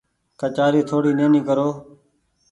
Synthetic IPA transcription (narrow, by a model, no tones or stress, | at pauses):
kət͡ʃaːɾiːt̪ʰoːɽiːneːnĩːkəɾoː